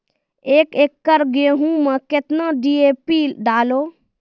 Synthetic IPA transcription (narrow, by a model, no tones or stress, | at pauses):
eːkeːkːəɾɡeɦũmə̃ket̪naɖiepiɖaːloː